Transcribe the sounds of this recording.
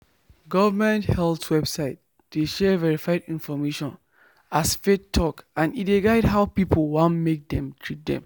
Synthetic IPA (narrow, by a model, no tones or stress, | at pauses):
ɡɔvəmɛ̃nthɛlˠtwɛbsaɪt̚ | d̥eʃɛvɛɹifaɪdĩnfɔmeʃɔ̃n | asfetʰːɔkãnitdeɡaɪdɦaʊpipʰəlwãnmek̚dɛ̃mtʰɹit̚dɛ̰̃m